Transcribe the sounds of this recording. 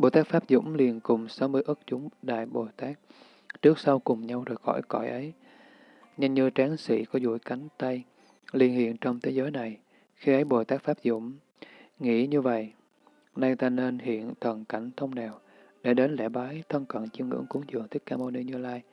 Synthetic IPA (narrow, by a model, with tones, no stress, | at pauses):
ɓo˨˩jt̪aː˦˥k̚faː˦˥p̚zʊ̰˧˥ŋ͡mli˨˩ənkʊ˨˩ŋ͡msa˨˦wmɨ˧əjʔɨ˦˥k̚t͡ɕʊ˨˦ŋ͡mɗa̰ː˧˨jɓo˨˩jt̪aː˦˥k̚ | t͡ɕɨ˦˥k̚sa˧wkʊ˨˩ŋ͡mɲa˧wzo˨˩jxɔ̰˧˩jkɔ̰˧˩jʔə˨˦j | ɲə˧nɲɨ˧t͡ɕaː˨˦nsḭ˧˩kɔ˨˦zṵ˧˩jka˨˦jŋ̟t̪a˧j | li˧ənhḭ˧˨ənt͡ɕɔ˧wŋ͡mt̪ʰe˨˦zəː˨˦jna˨˩j | xi˧ʔə˨˦jɓo˨˩jt̪aː˦˥k̚faː˦˥p̚zʊ̰˧˥˨ŋ͡m | ŋḭ˧˥ɲɨ˧və̰˧˨j | na˧jt̪aː˧ne˧nhḭ˧˨ənt̪ʰə˨˩nka˧˩jŋ̟t̪ʰə˧wŋ͡mnɛ˨˩w | ɗe˧˩ɗe˨˦nlɛ̰˧˩ɓaː˨˦jt̪ʰə˧nkə̰˧˨nt͡ɕi˧əwŋɨ̰˧˥əŋku˨˦ŋzɨ̰˨˩əŋt̪ʰï˦˥k̚kaː˧mo˧ni˧ɲɨ˧laː˧j